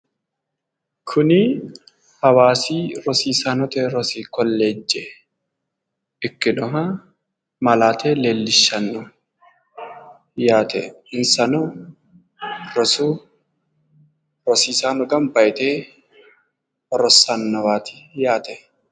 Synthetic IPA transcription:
kʰʊnɪ | hɐwaːsiːɾɔsiːsaːnɔt̪ɛɾɔsiːkɔlːe̞ːd͡ʒːɛ | ɪkːɪnɔɦɐ | mɐlaːt̪eːleːlːɪʃːɐnːɔ | jaːt̪ʰɛ̰ | ɪnsɐnʊ | ɾɔsuː | ɾɔsiːsaːnɔɡɐmbɐjt̪eː | ɔrɔsanːɐwaːt̪ʰɪ̥jaːt̪ɛ

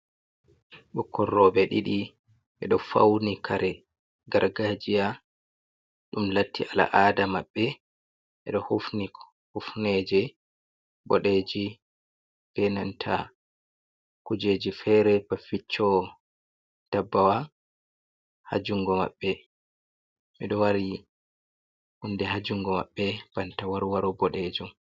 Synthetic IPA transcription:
ɓɔkʰːɔrːɔːbɛɗḭɗi | ʔɛ̰ɗɔfa̰wnikʰaɾɛ | ɡaɾɡad͡ʒija | ɗumlatːiala̰ʔadamaɓːɛ | ʔɛ̰ɗɔhufni | hufneːd͡ʒɛ | ɓɔɗeːd͡ʒi | b̥ɛnantʰa̰ | kud͡ʒed͡ʒifɛɾɛbafit͡ʃːɔ | d̥abːawa | ha̰d͡ʒuŋɡɔma̰ɓːɛ | miɗɔwaɾi | hundɛɦad͡ʒuŋɡɔma̰ɓːɛb̥antawaɾwaɾɔbɔɗed͡ʒum

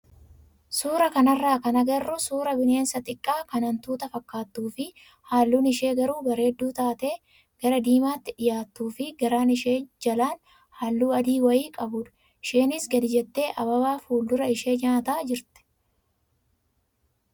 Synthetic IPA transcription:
suːɾɐkɐnɐrːaːkɐnɐɡɐrːʊsuːɾɐbɪne̞ːnsɐt̪ʼɪkʼːaːkɐnɐnt̪uːt̪ɐfɐkːaːt̪ːuːfɪ | haːlːuːnɪʃe̞ːɡɐɾuːbɐɾe̞ːd̪ːuːt̪aːt̪e̞ː | ɡ̥ɐɾɐd̪iːmaːt̪ːɪᶑɪjaːt̪ːuːfɪɡɐɾaːnɪʃeːd͡ʒɐlaːn | haːlːuːɐd̪iːwɐjiːkʼɐbʊᶑɐ̥ | ɪʃeːnɪsɡɐd̪ɪd͡ʒɛt̪ːe̞ːʔɐbɐbaːfuːld̪ʊɾɐɪʃe̞ːd͡ʒɐt̪aːd͡ʒɪɾt̪ɛ̥

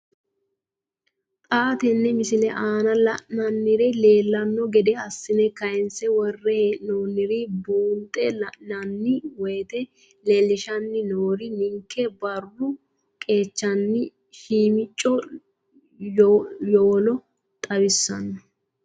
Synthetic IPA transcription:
t̪ʼaːt̪ɛnːɛmɪsɪlɛʔaːnɐlɐʔnɐnːɪɾɛle̞ːlːɐnːɔɡɛd̪ɛɐsːɪnɛkɐjɛnsɛwɔrːɛheʔnoːnːɪɾɪbuːnt̪ʼɛlɐʔnɐnːɪweːt̪ɛ | le̞ːlɪʃɐnːɪnoːɾɪnɪŋkʰːɛbɐrːʊ | kʼe̞ːt͡ʃːɐnːɪ | ʃiːmɪt͡ʃʼːɔ | joːlɔ | t̪ʼɐbɪsːɐ̰nːɔ

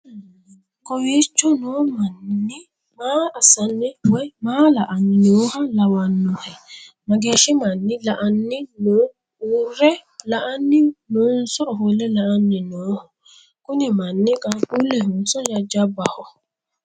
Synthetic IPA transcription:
kɔwiːt͡ʃːɔnoːmɐnːɪ | maːɐsɐnːɪwɔjmaːlɐʔɐnːɪnoːhɐlɐwɐnːɔhɛ | mɐɡeːʃɪmɐnːɪlɐʔɐnːɪno | urːɛlɐʔɐnːɪnunsɔɔɦɔlɛlɐʔanːɪnoːhɔ | kʊnɪmɐnːɪkʼɐulɛhʊnsɔd͡ʒɐd͡ʒɐbːɐhɔ

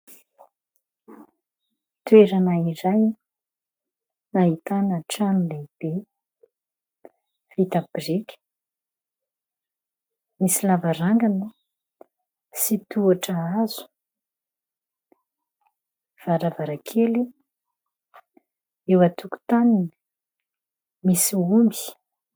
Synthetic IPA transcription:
t̪ueɾanaiɾaj | naɦit̪anaʈ͡ʂanileb̥e | vit̪abrikʲ | misilavaɾaŋɡanə | sit̪uaʈ͡ʂəazu̥ | v̥aɾavaɾakʰeli | ewat̪uku̥t̪aninə | misiumbi̥

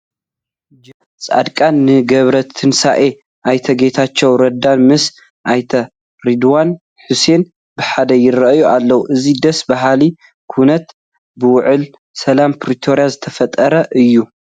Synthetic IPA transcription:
d͡ʒɐ | t͡sʼa̰d̪kʼannːɨɡɐβɾɐt̪ʰɨnsaʔe | ʔajt̪ʰɐɡe̞t̪ʰat͡ʃːɛwɾɐd̪anmɨs | ʔajt̪ʰɐ | ɾid̪wan | ħuse̞n | bɨħad̪ɐjɪrɐʔjuʔalːɐwuʔɨzid̪ɐsbaɦali | kʰunɐt̪ | bɨwʊʕɨl | sɐlampʰɾit̪ʰo̞ɾjazɨt̪ʰɐfɐt̪ʼɐɾɐʔɨjːu

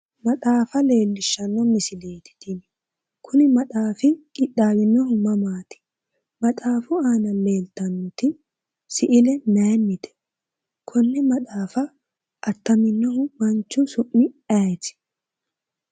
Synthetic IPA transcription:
mɐt̪aːfɐle̞ːlːɪʃːɐnːɔmɪsɪle̞ːt̪ɪ̥t̪ɪn | kʰʊnɪmɐtʼaːfɪkʼɪɗːaːwɪnːɔhʊmɐmaːt̪ɪ̥ | mɐtʼaːfʊaːnɐle̞ːlt̪ːɐnːɔt̪ɪ | sɪʔɪlɛnɛːnːɪt̪ɛ̥ | kʰɔnːɪmɐt̪ʼaːfɐː | t̪ːɐmɪnːɔɦʊmɐnt͡ʃːʊsʊʔːɪɛjtɪ̥

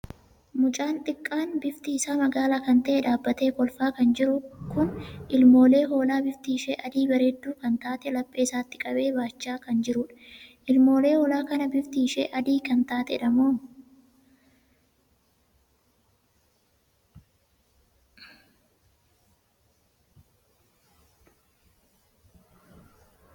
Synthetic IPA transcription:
mʊt͡ʃʼaːnt̪ʼɪkʼːaːnbɪft̪iːsaːmɐɡaːlaːkɐnt̪ɐʔeːᶑaːbːɐt̪e̞ːkɔlfaːkɐnd͡ʒɪɾʊkʊnʔɪlmo̞ːle̞ːɦo̞ːlaːbɪft̪iːʃeːʔɐd̪iːbɐɾed̪ːuːkɐnt̪aːt̪ɛlɐpʼːe̞ːsaːt̪ːɪ̥kʼɐbe̞ːbaːt͡ʃːaːkɐnd͡ʒɪɾʊᶑʔɪlmo̞ːle̞ːhoːlaːkɐnɐbɪft̪iːʃḛʔɐd̪iːkɐnt̪aːt̪ɛᶑɐmoːm

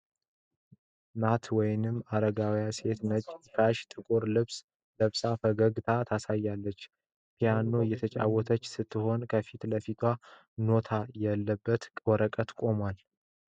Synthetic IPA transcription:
nat̪ʰwɔjnɨmːaɾəɡawjase̞t̪nət͡ʃʼkaʃt̪ʼɨkʼuɾlɨβs | ləβsafəɡəɡt̪ʰat̪ʰasajːalːət͡ʃː | pʰijano̞jɛt̪ʰət͡ʃʼa̰wɔt̪ʰət͡ʃːsɨt̪ʰːɨho̞nkʰəfit̪ləfit̪ʰwa | no̞t̪ʰajalːəbːət̪wɔɾəkʼət̪kʼo̞mwal

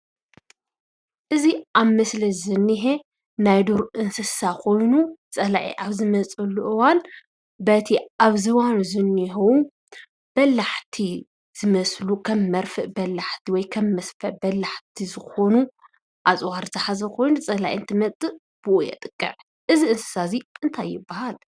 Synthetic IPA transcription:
ʔɨziʔaβmɐslɐzɨnːiɦe | najd̪uɾʔɨnsɨsakʰo̞jnut͡sʼɐla̰ʔḭʔaβzɨmɐt͡sʼɐlːuʔɨwan | bɐt̪ʰiʔaβzɨwanzɨnːiɦɐwu | b̥ɐlːaħt̪ʰi | z̥ɨmɐslukʰɐmːɐɾfɨʔbɐlːaħt̪ʰiwɔjkʰɐmːɐsfɐʔbɐlːaħt̪ʰizɨxo̞nu | ʔat͡sʼwaɾzɨħazɐkʰo̞jnut͡sʼɐlaʔiɨnt̪ʰɨmɐt͡sʼɨ | b̥ɨʔujɛ̰t̪ʼɨ̥kʼːɨ̰ʕ | ʔɨziʔɨnsɨ̥saziʔɨnt̪ʰajːɪbːahal

